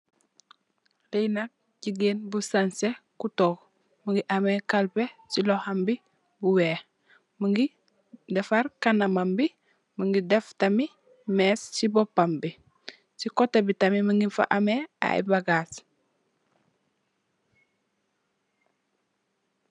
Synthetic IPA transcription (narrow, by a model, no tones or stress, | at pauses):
lejnak̚ | ɟiɡeːnbusansekutok | muŋɡiʔamekalpesilohambi | buweː | muŋɡi | defaɾkanamambi | muŋɡideftami | meːssibopːambi | sikotebitamimiŋɡifa̰ʔamea̰ḭbaɡaːs